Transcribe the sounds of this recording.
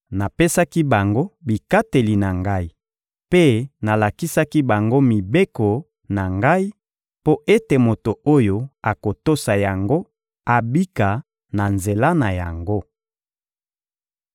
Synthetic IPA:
na˨pe˦sa˦ki˦ba˨ŋɡo˦bi˨ka˦te˨li˨na˨ŋɡa˦i˨ | pe˦na˨la˨ki˦sa˦ki˦ba˨ŋɡo˦mi˨be˦ko˨ | na˨ŋɡa˦i˦ | po˦ʔe˦te˨mo˨to˨o˦jo˦a˨ko˨to˦sa˨ja˨ŋɡo˦ | a˨bi˦ka˨ | na˨nze˨la˦na˨ja˨ŋɡo˦

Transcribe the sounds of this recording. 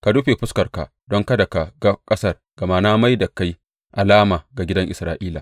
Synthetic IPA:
ka˨dʊ˦ɸe˨ɸʊ˦skɐ˨rka̰˨ | dɔ˦ŋkɐ˦da˨ka˨ɡa˦kʼɐ˦sɐ˦r | ɡ̥ɐ˨ma˦naː˦ma˦jda˨ka˦j | ʔa˨laː˦maː˨ɡa˨ɡʲɪ˦dɐ˦ŋʔɪ̰˨sɾaː˨˦ʔiː˦laː˨

